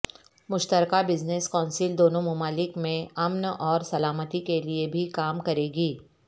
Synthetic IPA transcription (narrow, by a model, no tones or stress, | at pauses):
mʊʃt̪əɾkabɪzneskɔ̃ːnsɪld̪oːnõmʊmaːlɪkmẽɐmnɔːɾsɐlaːmət̪ikeliebʱikaːmkɐɾeːɡiː